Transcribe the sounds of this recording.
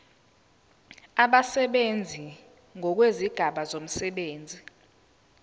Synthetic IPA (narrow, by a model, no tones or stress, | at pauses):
aɓasɛɓend͡zʱi | ŋʱɔk̬weziɡ̥ʱaɓazom̩sɛɓeːnd͡zʱi